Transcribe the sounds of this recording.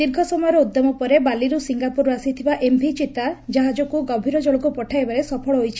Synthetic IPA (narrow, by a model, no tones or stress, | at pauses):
d̪iɾɡʱɔsɔmɔjɔɾɔud̪jɔmɔpɔɾebaliɾusiŋɡapuɾasit̪ʰibaʔembʱit͡ʃit̪ad͡ʒaɦad͡ʒɔkuɡɔbʱiɾɔd͡ʒɔɭɔkupɔʈʰajbaɾesɔpʰɔɭɔɦojt͡ʃʰi̥